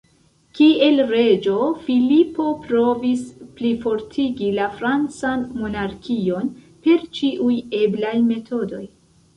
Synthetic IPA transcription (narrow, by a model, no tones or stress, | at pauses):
kie̞lɾe̞d͡ʒo̞filipo̞pɾovisplifo̞ɾtʰiɡilafɾant͡sanmo̞naɾkʰio̞n | pe̞ɾt͡ʃiʔuje̞blajme̞tʰo̞do̞j